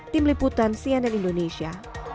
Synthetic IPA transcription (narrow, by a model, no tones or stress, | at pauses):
t̪ɪmliput̪ansianɛnindonesia